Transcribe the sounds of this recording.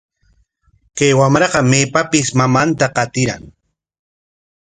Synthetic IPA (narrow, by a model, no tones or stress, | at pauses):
kajwamɾɑɢɑmeːpapɪsmamant̪aqɑt̪ɪɾa̰ŋ